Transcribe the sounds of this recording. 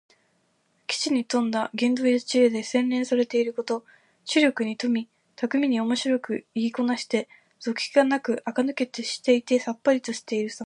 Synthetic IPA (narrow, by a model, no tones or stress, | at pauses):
kʲi̥t͡ɕiɲ̟it̪õ̞nd̪aɡẽ̞nd̪o̞iḁt͡ɕiɾed̪e̞sẽ̞nɾẽ̞ɰ̃saɾe̞t̪e̞iɾɯ̟ko̞t̪o̞ | t͡ɕɨɾʲo̞kɯ̟ɲ̟it̪o̞mʲi | t̪akɯ̟mʲiɲ̟io̞mo̞ɕiɾo̞kɯ̟iɡʲiko̞naɕi̥t̪e̞ | z̥o̞kʲiɡ̥anakɯ̟ʔakanɯ̟ke̞t̪e̞ɕi̥t̪e̞it̪e̞sapːaɾʲit̪o̞ɕi̥t̪e̞iɾɯ̟sa